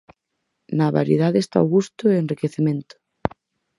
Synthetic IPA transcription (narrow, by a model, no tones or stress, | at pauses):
naβa̰ɾjḛðaðeest̪a̰oɣust̪ʊeenrikeθemẽnt̪ʊ̥